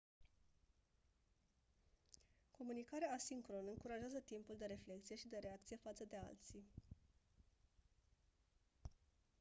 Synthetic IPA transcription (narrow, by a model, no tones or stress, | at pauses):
ko̞munikaɾeaːsiŋkɾo̞nɨŋkuɾaʒeazət̪impuld̪e̞ɾe̞fle̞k̚t̪sije̞ʃid̪e̞ɾe̞akt̪sije̞fat̪səd̪e̞a̰lt̪si